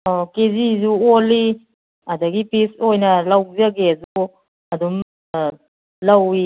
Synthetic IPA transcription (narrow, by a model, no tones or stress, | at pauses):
ɔkezizuoli | ɐdaɡipisojnɐlawzaɡezu | ɐdum | lawi